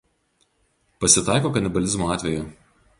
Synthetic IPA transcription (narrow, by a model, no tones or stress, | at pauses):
pɐsʲɪt̪ɑˑɪkoːkɐnʲɪbɐlʲɪzmoːɑːt̪ʲʋʲɛjuː